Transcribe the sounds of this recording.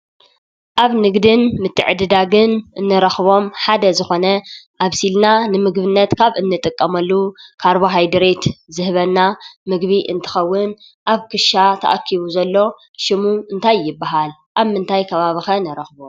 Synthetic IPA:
ʔaβnɨɡd̪ɨnmɨt̪ʰːɨ̰ʕɨd̪ɨd̪aɡɨnɨnːɨɾɐxβo̞mħad̪ɐzɨxo̞nɐʔaβsilnanɨmɨɡβɨnːɐt̪kʰaβɨnːɨt̪ʼɨkʼːɐmɐlːukʰaɾboɦajd̪ɨɾet̪zɨhβɐnːamɨɡβiʔɨ̰nt̪ʰɨ̥xɐwːʊn | ʔaβkʰɨʃat̪ʰɐ̰ʔakʰːiβuzɐlːo̞ | ʃɨmuɨnt̪ʰajːɪbːaɦalʔaβmɨnt̪ʰajkʰɐβaβixɐnɐɾɐxbu

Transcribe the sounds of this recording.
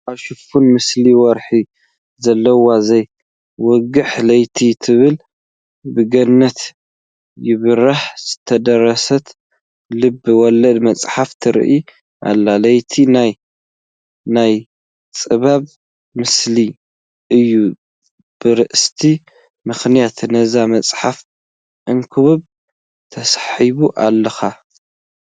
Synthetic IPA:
ʔaβʃɨfunmɨsliwɔɾħi | zɐlːɐwazɐj | wɔɡɨħlɐjt̪ʰit̪ʰɨβɨl | bɨɡɐnːɐt̪ | jɪβɨɾaħz̥ɨt̪ʰɐd̪ɐɾːɐsɐt̪ | lɨbːɨwɔlːɐd̪mɐt͡sʼħaft̪ʰɨɾ̰ʔi | ʔa̰lːalɐjt̪ʰinaj | naj | t͡sʼɨβaβ | mɨsli | ʔɨjːu | b̥ɨɾɨʔst̪ʰi | mɨxnijat̪nɐzamɐt͡sʼħaf | ʔɨŋkʰɨβɨβ | t̪ʰɐsħiβuʔalːɐxa

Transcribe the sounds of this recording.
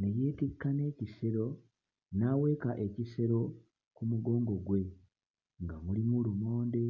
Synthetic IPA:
neje̞ːtikːane̞ːcise̞ɾo̞ | naːwe̞ːkaʔe̞cise̞ɾo̞ | kumuɡo̞ːŋɡo̞ɡwe̞ | ŋɡamulimulumo̞ːnde

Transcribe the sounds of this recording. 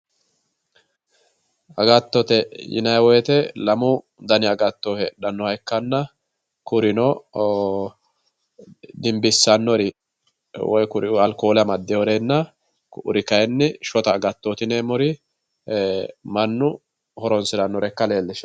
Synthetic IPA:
ɐɡɐt̪ːɔt̪ɛjɪ̰nɐjwɔjɛt̪ɛlɐmʊ | d̪ɐnɪɐɡɐt̪ːohɛᶑɐnːɔhɐjkːɐnːɐ | kʊɾɪnɔ | d̪ɪmbɪsːɐnːɔɾɪ | wɔ̰jkʊɾɪɐlkoːlɐmɐd̪ːɛɔɾenːɐ | kʊ̰ɾɪkɐjɛnːɪʃɔt̪ɐːɡɐt̪ːot̪ɪnemɔɾɪ | mɐnːʊ | hɔɾɔnsɪd̪ɐnːɔɾɛkːɐle̞ːlːɪʃ

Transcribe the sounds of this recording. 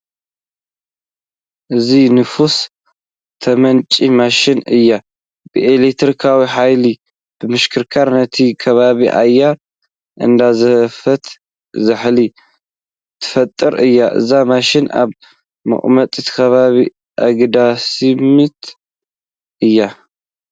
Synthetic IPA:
ʔɨzinɨfus | t̪ʰɐmɐnt͡ʃʼimaʃɪnɨjːa | bɨʔelekt̪ɾikʰawiħajli | b̥ɨmɨʃkʰɨɾkʰaɾnɐt̪ʰikʰɐβaβiʔa̰jːa | ʔɨ̰nd̪azɐfɐt̪ | zɨħli | t̪ʰɨ̥fɐt̪ʼːɨɾʔɨjːaʔɨ̰zamaʃɪna̰β | mɨ̰χʼmɐt̪ʼit̪ʰkʰɐβaβi | ʔaɡd̪asimit̪ | ʔɨjːa

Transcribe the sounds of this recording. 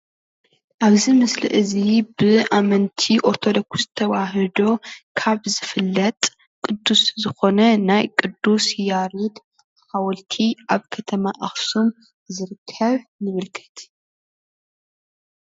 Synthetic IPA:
ʔaβzimɨslɨ̰ʔɨzibɨʔamɐnt̪ʰiʔo̞ɾt̪ʰo̞d̪o̞ksɨt̪ʰɐwaɦɨd̪o̞kʰaβzɨfɨlːɐt̪ʼ | kʼɨd̪ːuszɨxo̞nɐnajkʼɨd̪ːusjaɾid̪ | hawɔlt̪ʰiʔaβkʰɐt̪ʰɐmaʔaxsum | zɨɾɨkʰːɐβnɨβɨlkʰɨ̥t̪

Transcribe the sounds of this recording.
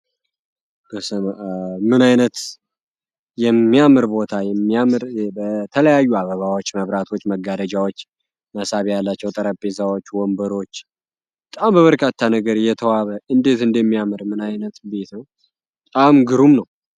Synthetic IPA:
b̥əsəmɨnajnət̪ | jɛmːijamɨɾbo̞t̪ʰajɛmːijamɾbət̪ʰələjajːuaβəβawot͡ʃːməβɾat̪ʰo̞t͡ʃːməɡad̪əd͡ʒawot͡ʃː | məsaβjalːat͡ʃːɛwt̪ʼəɾəpʼːezawot͡ʃːwɔmbəɾo̞t͡ʃː | bət̪ʼambəβəɾkʰat̪ʰːanəɡəɾjɛt̪ʰəwaβəʔɨnd̪e̞t̪ɨnd̪əmːijamɨɾmɨnajnət̪be̞t̪nəw | b | t̪ʼamɡɨɾumnəw

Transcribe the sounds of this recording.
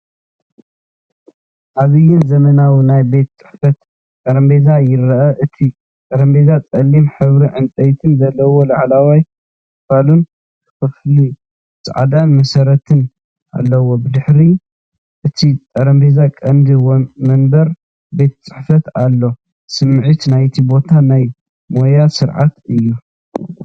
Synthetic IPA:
ʔaβɨjːɪnzɐmɐnawinajbe̞t̪t͡sʼɨ̥ħfɐt̪ | t̪ʼɐɾɐmbe̞zajɪɾɐʔɐʔɨt̪ʰi | t̪ʼɐɾɐmbe̞zat͡sʼɐlːimħɨβɾiʕɨnt̪ʼɐjt̪ʰɨnzɐlːɐwo̞laʕlawaj | ɨfalun | kʰɨ̥fɐfli | sʕa̰d̪anmɐsɐɾɐt̪ʰɨn | a̰lːɐwo̞bɨd̪ɨħɾi | ʔɨt̪ʰit̪ʼɐɾɐmbe̞zakʼɐnd̪iwmɐnbɐɾ | be̞t̪ʰt͡sʼɨħfɐt̪alːo̞ | sɨmːʕit̪najt̪ʰibo̞t̪ʰanaj | mo̞jasɨɾʕa̰t̪ɨjːu

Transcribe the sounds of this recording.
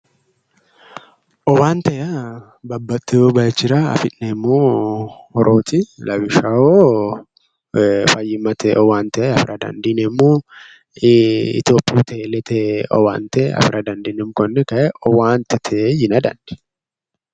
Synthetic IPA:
ʔɔwaːnt̪ɐjɐ | bɐbːɐt̪ʼːɪobɐjt͡ʃːɪɾaɐ̰fɪᶑnɛmːoːhɔɾʔoːt̪ɪlʔɐwɪʃɐo | fɐjːɪmɐt̪ɛʔɔwaːnt̪ɐʔeɐfɪɾʔɐd̪ɐ̰nd̪inɛmːoː | ɪ̰t̪joːpʼːuːt̪ɛlɛt̪ʰɛɔ̰wa̰ːnt̪ɐeɐ̰fɪɾʔɐd̪ɐnd̪inɛmkɔnːɛkɐʔɛɔwaːnt̪ɪt̪ʰɛejɪnɐd̪ɐ̰nd̥ɛ̥

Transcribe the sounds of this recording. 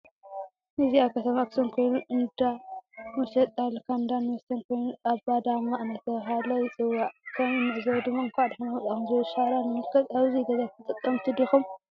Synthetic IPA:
nɨziakʰɐt̪ʰɐmakʰɨ̥sɐnkʰo̞jnuʔɨnd̪amɐʃɐt̪ʼːalkʰand̪anːwst̪ʰɐnkʰo̞jnuaβbad̪amaʔnɐt̪ːɐβɦalɐjɪt͡sʼɨwːaʔkʰɐminɨʔzɐwd̪ɨmːaɨŋkʰʷaʕd̪ħɨnamɐt͡sʼakumzɐwʃaɾanɨmɨlkʰɐt̪aβzid̪ɐzajkʰɨt̪ʼɨt̪ʼːɐmt̪ʰid̪ixum

